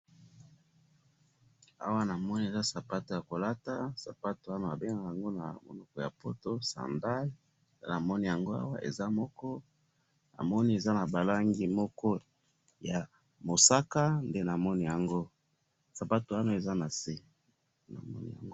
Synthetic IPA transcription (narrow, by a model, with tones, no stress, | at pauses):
a̰˦wa˦na˨mɔ˦ni˦e˨za˦sa˨pa˦to˨ja˨ko˨la˦ta˦sa˨pa˦to˨a˦no˦˨a˨be˦ŋɡa˨ja˨ŋɡo˦na̰˨mo̰˨nɔ˨kɔ˨ja̰˨po˦to˦sa̰˨nda˦l | ndḛ˦na˨mɔ˦ni˦ja˨ŋɡo˦a̰˦wa̰˦ʔḛ˨za˦mɔ˦kɔ˦ | na̰˨mɔ˦ni˦e˨za˦na˨ba˨la˦ŋɡi˦mɔ˦kɔ˦ | ja˨ | mo˨sa˦ka˦nde˦na˨mɔ˦ni˦ja˨ŋɡo˦ | sa˨pa˦to˨wa˦no˦e˨za˦na˨se˦ | na̰˨mɔ̰˦nḭ˦ja̰˨ŋɡo˦